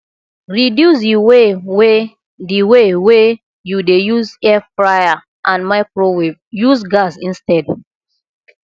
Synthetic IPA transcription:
ɹidjus̬jiwewe | diwewe | judejuzɛfɹaa | ʔãnmaɪkɹoweb̚juzɡasĩnstɛd

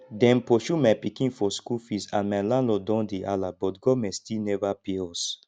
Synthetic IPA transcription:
dɛ̃npɔʃumajpikĩnfɔskufisãnmalãnlɔdɔ̃ndeʔalabɔtɡɔmɛstinɛvapeɔs

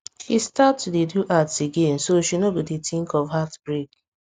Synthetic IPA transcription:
histatudeduʔatseɡẽnsoʃinobidetɪ̃ŋkɔvɦatb̥ɹek

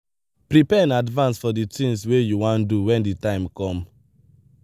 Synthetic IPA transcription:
pɹipɛɛ̃nadvãnsfɔditĩŋswejuwãnduwɛ̃nditãɪ̃mkɔ̃m

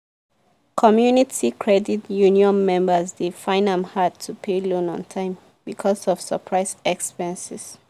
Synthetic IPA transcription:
kʰɔmjunitʰikʰɹɛditjuniɔ̃nmɛ̃mbəzdefãɪ̃nãmhad̚tʰupʰelõnɔ̰̃ntʰãɪ̃m | bikʰɔsɔv̥sə̰pʰɹaɪsɛkspɛ̃nsis

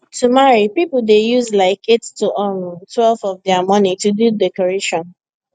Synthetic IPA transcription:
tumaɹipipl̩dejuzlaɪketːuʔɔntʰwɛlvɔvdɛamɔ̃nitududɛkɔɹeʃɔ̃n

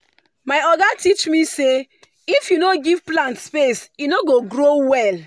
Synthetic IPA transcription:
maɪɔɡatit͡ʃmise | ifjunoɡivplãntspesunoɡoɡɾowɛl

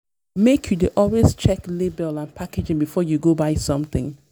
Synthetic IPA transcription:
mekʰjudeʔɔlwest͡ʃɛklebɛlãnpʰaked͡ʒɪ̃ŋbifɔjuɡobaɪsɔ̃mθɪ̃ŋ

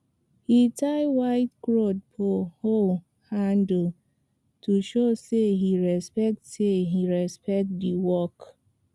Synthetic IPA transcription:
hitʰaɪwaɪtkɹod̚pʰoho | hãndl̩ | tʰuʃoseɦiɹɛspɛk̚tseɦiɹɛspɛk̚tdiwɔk

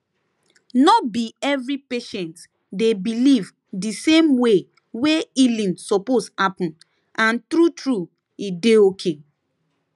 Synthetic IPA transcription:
nɔt̚biɛvɾipeʃɛ̃nt | debiliv | disẽmwe | weilĩnsɔposhapɔ̃n | ãntɾutɹu | ideokʰe

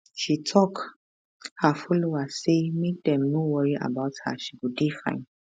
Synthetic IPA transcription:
ʃitʰɔk | hafɔloasemek̚dɛ̃mnowɔɹiʔa̰baʊtha̰ʃiɡudefã̰ɪ̃n

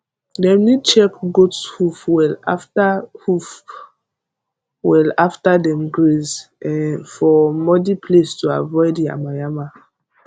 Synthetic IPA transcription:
dɛ̃mnid̚t͡ʃɛkɡotshufwɛla̰ftahuf | wɛlaftadɛ̃mɡɹezɛ̃nfɔmɔdipʰlestua̰vɔɪdia̰majama

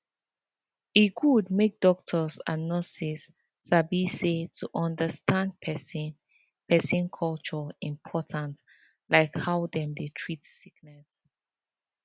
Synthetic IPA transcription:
iɡudmek̚dɔk̚tʰɔsa̰nɔsisː | abisetʰuʔɔ̃ndəstãnd̚pʰɛsi | pɛsĩnkʰɔlt͡ʃɔĩmpʰɔtʰãnt | laɪkhawdɛ̃mdetʰɹitsiknɛs

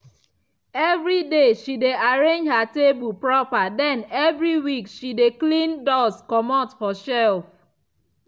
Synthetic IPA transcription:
ɛvɾideʃideaɾẽnd͡ʒɦatebupɹɔpadɛ̃nɛvɹiwikʃideklĩndɔskɔmɔtfɔʃɛlf

